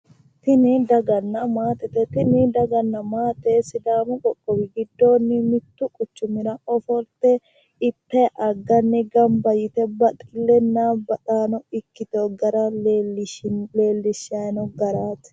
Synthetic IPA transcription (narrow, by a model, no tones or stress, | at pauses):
t̪ɪnɪd̪ɐɡɐnːɐmaːt̪ɛt̪ɛt̪ɪnɪd̪ɐɡɐnːɐmaːt̪ɛsɪd̪aːmʊkʼɔkʼːɔwɪɡɪd̪ːo̞ːnːɪmɪt̪ːʊkʼʊt͡ʃːʊmɪɾɐɔfɔɾt̪ɛ | ɪpːɛʔɐɡːɐnːɪɡɐmbɐjɪt̪ɛbɐt̪ʼɪlːɛnːaːbɐᶑaːnɔɪkːɪt̪oɡɐɾɐ | leːlːɪʃanɔɡɐɾaːt̪